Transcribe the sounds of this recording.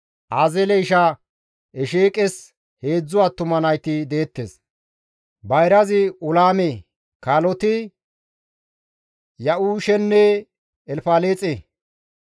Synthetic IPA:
ʔaːzɛlɛjʃa | ɛʃeːkʼɛs | he̞ːd͡zːʊwaːt̪ːʊmɐnɐjt̪ɪd̪eːt̪ːḛːs | bɐjɾɐzɪʊlaːme | kaːlɔt̪ɪ | jɐʔuːʃɛnːɛː | lfaːleːt͡sʼe

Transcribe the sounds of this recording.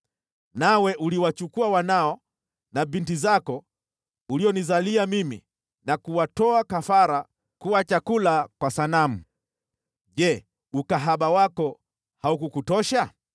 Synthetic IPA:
nawɛʔuliwat͡ʃukuawanaɔ | naɓintizakɔ | uliɔnizaliamimḭ | nakuwatɔakafaɾa | kuwat͡ʃakulakwasanam̩ | ʄɛ | ukaɦaɓawakɔ | haukukutɔʃa

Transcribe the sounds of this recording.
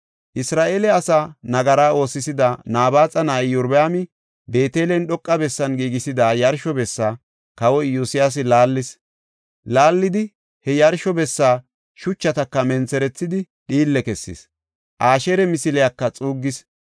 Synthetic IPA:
ʔɪsɾaːʔeːlɛɐsanɐɡɐɾaːo̞ːsːɪsɪd̪ɐnaːbaːt͡sʼɐnaːjʊɾbaːmɪ | be̞ːt̪eːlɛnɗɔkʼːɐbɛsːɐnɡiːɡɪsɪd̪aːjɐɾʃɔbɛsːaː | kɐwɔjjuːsɪjas̬ɪlaːlːɪs | laːlːɪd̪ɪ | hɛjɐɾʃɔbɛsːaː | ʃʊt͡ʃːɐt̪ɐkːɐmɛnt͡sɛɾɛt͡sːɪd̪ɪ | ɗiːlːɛkɛsːɪ̰s | ʔaːʃeɾɛmɪsɪlɛjakːɐt͡sʼuːɡːɪs

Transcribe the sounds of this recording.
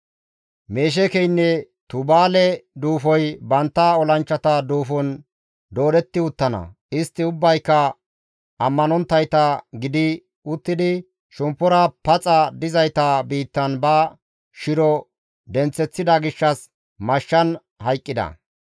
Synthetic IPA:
meːʃ̬ɛkɛjnːɛ | t̪ʊbaːlɛd̪uːfɔjbɐnt̪ːɐɔlɐnt͡ʃːɐt̪ɐd̪uːfɔn | d̪o̞ːd̪ɛt̪ːɪʊt̪ːɐnɐ̰ | ɪst̪ːɪʊbːɐjkːɐ | ʔɐmːɐnɔnt̪ːɐjt̪ɐɡɪd̪ɪ | ʊt̪ːɪd̪ɪ | ʃʊmpːɔɾɐpɐt͡sʼɐd̪ɪzɐjt̪ɐbiːt̪ːɐnbɐ | ʃɪɾɔ | d̪ɛnt͡sːɛt͡sːɪd̪ɐɡɪʃːɐs | mɐʃːɐn | hɐjkʼːɪd̪ɐ̰

